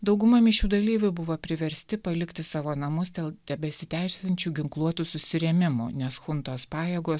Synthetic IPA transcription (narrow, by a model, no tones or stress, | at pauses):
d̪ɒʊɡʊmɐmʲɪʃʲuːd̪ɐlʲiːʋʲʊbʊʋopʲɾʲɪʋʲɛɾʲsʲt̪ʲɪpɐlʲɪkt̪ʲɪsɑːʋoːnɐmʊsd̪ʲeːlˠd̪ʲɛbʲɛsʲɪt̪ʲæɪsʲlʲɐnʲt͡ʃʲuːɡʲɪŋklˠuɔt̪usʊsʲɪɾʲɛmʲɪmṵːnʲɛsxʊnt̪oːspɑːjeːɡoː